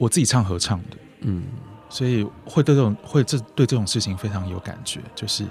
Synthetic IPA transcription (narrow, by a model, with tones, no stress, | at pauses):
wɔ˨˩t͡sɹ̩˥˩t͡ɕi˨˩ʈ͡ʂʰɑ˥˩ŋxɤ˧˥ʈ͡ʂʰɑ˥˩ŋd̪ə˩˥˩swɔ˧˥i˨˩xwe˥˧t̪ʊ˨˩ŋxwe˥˧ɪʈ͡ʂɤ˥˩t̪we˥˧ɪʈ͡ʂɤ˥˩ʈ͡ʂʊ˨˩ŋʂɻ̩˥˩t͡ɕʰi˧˥ŋfe˥ɪʈ͡ʂʰɑ˧˥ŋjo˧˥ʊka̰˨˩nt͡ɕɥɛ̰˧˦t͡ɕjo˥˧ʊʂɻ̩˥˩